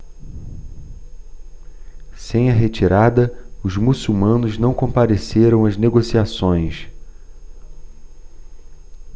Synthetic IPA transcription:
sẽj̃ɐɦet͡ʃiɾad̪ɐʊzmusuwmɐ̃nʊznɐ̃w̃kõpaɾeseɾɐ̃w̃ɐzneɡosiasõj̃s

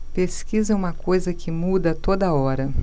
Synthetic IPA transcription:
peskizɐũmɐkojzɐkɪmud̪ɐt̪od̪ɐɔɾɐ

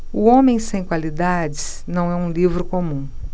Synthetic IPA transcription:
ʊõmẽj̃sẽj̃kwalid̪ad͡ʒɪs | nɐ̃w̃ɛũlivɾʊkomũ

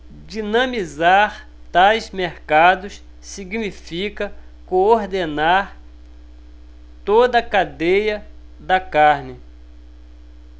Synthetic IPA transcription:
d͡ʒinɐ̃mizaɾ | t̪ajzmeɾkad̪ʊs | siɡnifikɐkooɾd̪enaɾ | t̪od̪ɐkad̪ejɐd̪ɐkaɾnɪ

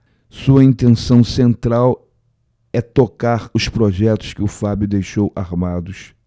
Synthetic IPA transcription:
suɐĩnt̪ẽsɐ̃w̃sẽnt̪ɾaw | ɛt̪okaɾʊspɾoʒɛt̪ʊ̥skɪʊfabjʊd̪ejʃowaɾmad̪ʊʃ

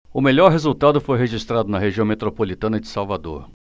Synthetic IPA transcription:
ʊmeʎɔɾɦezut̪ad̪ʊfojɦeʒist̪ɾad̪ʊnɐɦeʒiɐ̃w̃met̪ɾopolit̪ɐ̃nɐd͡ʒɪsawvad̪o̰ɾ

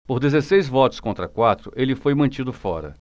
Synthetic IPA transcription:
poɾd̪ezesejzvɔt̪ʊ̥skõt̪ɾɐkwat̪ɾʊʔelɪfojmɐ̃t͡ʃid̪ʊfɔɾɐ̰

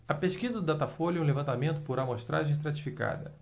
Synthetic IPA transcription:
ɐpeʃkizɐd̪ʊd̪at̪afolʊɛũlevɐ̃nt̪amẽnt̪ʊ̥poɾamoʃt̪ɾa̰ʒẽj̃ʃt̪ɾat͡ʃi̥fika̰d̪ɐ̰

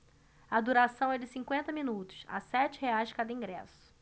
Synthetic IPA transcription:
ɐd̪uɾasɐ̃w̃ɛd͡ʒɪsĩŋkwẽnt̪ɐmĩnut̪ʊ̥sa̰sɛt͡ʃɪheajzd͡ʒɪkad̪ɐĩŋɡɾɛsʊ̥

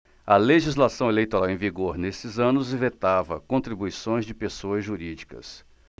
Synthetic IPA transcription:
ɐleʒizlasɐ̃w̃elejt̪oɾawẽviɡoɾnesɪzɐ̃nʊzvet̪avɐkõt̪ɾibuisõj̃zd͡ʒɪpesoɐzʒuɾid͡ʒikɐ̰s

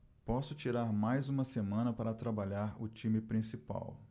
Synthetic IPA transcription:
pɔsʊt͡ʃiɾaɾmajzũmɐsemɐ̃nɐpaɾɐt̪ɾabaʎaɾʊt͡ʃĩmɪpɾĩsipa̰w

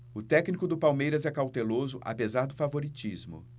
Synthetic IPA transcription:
ʊt̪ɛknikʊd̪ʊpawmejɾɐzɛkawt̪elozʊʔa̰pezaɾd̪ʊfavoɾit͡ʃizmʊ̰

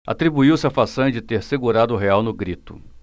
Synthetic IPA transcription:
a̰t̪ɾibuiwsɪafasɐ̃d͡ʒɪt̪eɾseɡuɾad̪ʊʊɦeawnʊɡɾit̪ʊ̥

